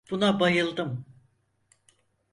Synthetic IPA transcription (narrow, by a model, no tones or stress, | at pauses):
b̥unabajɯlˠd̪ɯm